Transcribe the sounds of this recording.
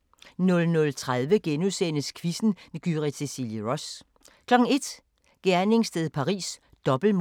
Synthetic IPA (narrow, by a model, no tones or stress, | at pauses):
nɔ̽lnɔ̽lt͡sʰʁað̞ˠʋəɡ̥enusenəskʰʋisn̩ɡ̥yʁisʰesiljiʁɔ̽s | kʰlɒ̽ɡ̥ŋ̩e̝d̥ | ɡ̥æɐne̝ŋsd̥eðˠpʰɑ̈ʁḭːs | d̥ɒ̽b̥l̩m